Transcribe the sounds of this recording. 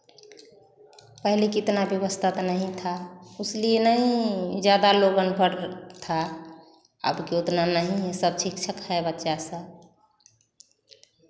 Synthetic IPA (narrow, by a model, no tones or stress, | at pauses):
pəɦilekit̪nabjəbəst̪ʰat̪nəɦĩt̪ʰauslienəɦĩd͡ʒjad̪aloɡənpəɾt̪ʰa | ə̰bkeot̪nanəɦĩɦẽsəb̚sikt͡ʃʰəkɦɛbətːʃasə